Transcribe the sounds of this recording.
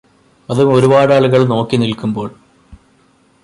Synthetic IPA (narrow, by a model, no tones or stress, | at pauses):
ɐðumo̞ɾubaːɽaːɭuɣɐɭno̞ːkːinilkumbo̞ːɭ